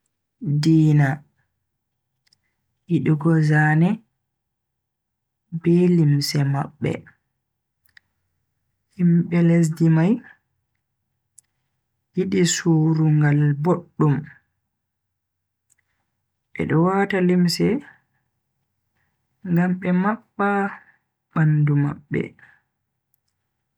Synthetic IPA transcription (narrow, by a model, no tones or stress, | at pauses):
diːna | jiɗiɡɔzaːnɛ | bɛlimsɛmaɓːɛ̰ | himɓɛles̬dimaj | jiɗisuːɾuŋɡalboɗːum | ʔɛ̰ɗɔwatalimsɛ | ŋɡamɓɛmaɓːa | ɓanduma̰ɓːɛ̰